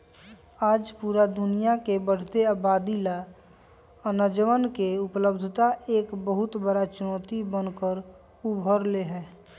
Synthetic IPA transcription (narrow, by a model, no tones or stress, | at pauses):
aːd͡ʒpuːɾad̪ʊnijakebəɽ̤t̪eəbaːd̪ila | ənəd͡ʒəʋənkeʊpləbd̪ʱt̪aʔeːkbəɦʊt̪bəɽat͡ʃʊnɔːt̪ibənkəɾ | ʊbʱəɾleɦɛː